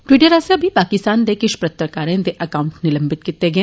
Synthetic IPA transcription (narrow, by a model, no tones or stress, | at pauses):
ʈʋɪːʈəɾaːseɐbʱipaːkɪst̪aːnd̪ekɪʃpɾɐt̪ɾəkaːɾẽd̪eʔɐkaːʊ̃ɳʈnɪlɐ̃mbɪt̪kɪt̪ːeɡɐẽ